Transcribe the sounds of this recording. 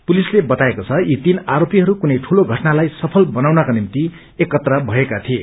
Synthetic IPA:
pulislebʌt̪aekot͡sʰʌit̪inaɾopiɦʌɾukunʌjʈʰuloɡʱʌʈnalajsʌpʰʌlbʌnawnʌkanimt̪i | ekːʌt̪rʌbʱʌekat̪ʰie

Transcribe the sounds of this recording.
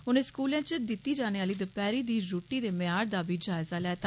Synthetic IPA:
ʊnẽːskuːlɛ̃ːt͡ʃəd̪ɪt̪ːiːd͡ʒaːñeːaːliːd̪əpɛːɾiːd̪iːɾoːʈiːd̪eːmɪjaːɾd̪aːbiːd͡ʒaːɪzaːlɛːt̪

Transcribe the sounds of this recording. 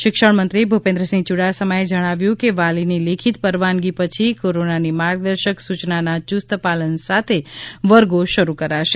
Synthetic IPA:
ʃɪkʃəɳmənt̪ɾibʱupẽnd̪ɾəsĩŋt͡ʃuɽasəməed͡ʒəɽ̃aʋjũkeʋalinilekʰit̪pəɾʋanɡipət͡ʃʰikoɾonanimaɾɡ̚d̪əɾʃəksut͡ʃnanat͡ʃust̪əpalənsat̪ʰeʋəɾɡoʃəɾukəɾaʃe

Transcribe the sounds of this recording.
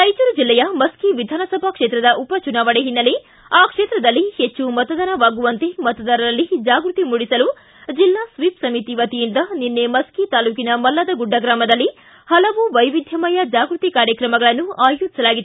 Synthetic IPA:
t̪ɐjt͡ʃuɾud͡ʒilːɛjɐmɐskiʋid̪ʱaːnɐsɐbʱɐkʂe̞ːt̪ɾɐd̪ɐʔupɐt͡ʃunaːʋɐɽeɦinːɐle | aːkʂe̞ːt̪ɾɐd̪ɐlːihet͡ʃːumɐt̪ɐd̪ɐnɐʋaːɡuʋɐnt̪e̞mɐt̪ɐd̪ɐɾɐɾɐlːid͡ʒaːɡɾut̪imuɽisɐlu | d͡ʒilːaːsʋiːpsɐmit̪iʋɐt̪ijind̪ɐninːe̞mɐskit̪aːluːkinɐmɐlːɐd̪ɐɡuɖːɐɡɾaːmɐd̪ɐlːi | hɐlɐʋuʋɐjʋid̪ʱjɐmɐjɐd͡ʒaːɡɾut̪ikaːɾjɐkɾɐmɐɡɐɭɐnːuaːjuːd͡ʒi̥sɐlaːɡid̪u

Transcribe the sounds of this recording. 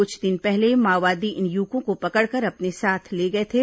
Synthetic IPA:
ʊt͡ʃʰd̪ɪnpɛɦlemaːʋaːd̪iʔɪnjuːkõkopɐkəɽkɐɾɐpnesaːt̪ʰleːɡɐet̪ʰeː

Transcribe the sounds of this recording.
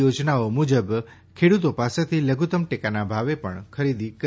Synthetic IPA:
jod͡ʒnaomud͡ʒəb | kʰeɽut̪opaset̪ʰiləɡʱut̪əmʈekanabʱaʋepəɳkʰəɾid̪ik

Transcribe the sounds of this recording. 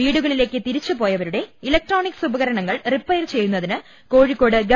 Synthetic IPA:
iːɽuɣɐɭile̞ːkːɨt̪iɾit͡ɕːupo̞ːjɐʋɐɾuɽe̞ilɐk̚ʈro̞ːnikːsubɐɣɐɾɐɳɐŋːɐɭripːɐjrt͡ɕejːunːɐðinɨ | ko̞ːɻikːo̞ːɽɨɡɐ

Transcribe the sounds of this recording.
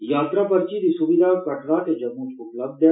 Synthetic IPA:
jaːt̪ɾapɐɾt͡ʃid̪isuʋid̪ʱakɐʈɾat̪ed͡ʒɐmuːt͡ʃʊpləb̚d̪e

